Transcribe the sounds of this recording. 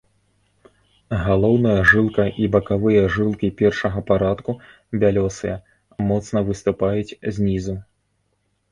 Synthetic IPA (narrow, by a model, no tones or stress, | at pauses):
ɣalˠɔwnɐjɐʐɨlˠkɐʔibɐkavɨjɐʐɨlˠkʲipʲɛrʂɐɣɐpaɾat̪ku | bʲalʲɔsɨjɐ | mɔt̪snɐvɨst̪upajut͡sʲzʲnʲizu